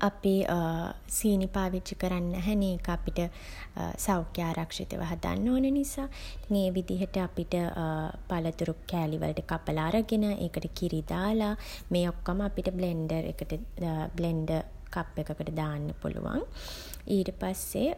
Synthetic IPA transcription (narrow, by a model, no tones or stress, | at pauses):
ʔapi | siːnipaːʋid͡ʒikəɾanːæɦɛneːkəapiʈə̰ | sawkjaːɾʔakʂḭt̪ə̰ʋʔə̰ɦad̪a̰nːoːnənisaːŋeːʋid̪iɦəʈəapiʈəpalət̪uɾukæːliʋə̰lʈəkapəlaːɾəɡenəʔeːkəʈəkiɾid̪aːlamejokːəməapiʈəbleɳɖəɾḛkəʈəbleɳɖə | kapːekəkəʈəd̪aːnːəpṵlṵʋa̰ŋ | iːʈəpasːe